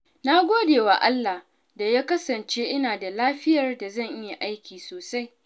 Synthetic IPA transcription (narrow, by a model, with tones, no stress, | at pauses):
na˦ɡʷoː˦deː˨wa˨ʔa˦lːa˨h | da˨jaː˦kɐ˦sɐ˨nt͡ʃeː˦ʔɪ˦naː˨da˨laː˦ɸɪ˦jɐ˨rda˨zɐ˦˨ɲʔɪ˦ja˨ʔa˦jkʲiː˨soː˨sa˦j